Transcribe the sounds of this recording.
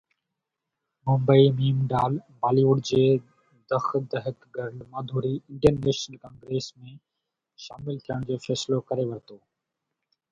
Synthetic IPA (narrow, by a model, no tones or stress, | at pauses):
mʊ̃mbəimiːmɖaːlbaːliːʋʊɖd͡ʑeː | d̪əxd̪əɦɪkɡəɾlmaːd̪ʱuːɾiɪ̃ɳʈənːeːʃnəlkãːŋɡɾeːsmẽː | ʃaːmɪlt̪ʰijəɽ̃d͡ʑeːfɛːslokəɾeʋɐɾt̪oː